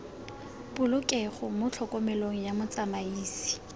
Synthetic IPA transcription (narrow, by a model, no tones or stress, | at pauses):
pʊlʊkʼɛχʊmʊt͡ɬʰɔkʼɔmɛloŋ̩jamʊt͡samaiːsi̥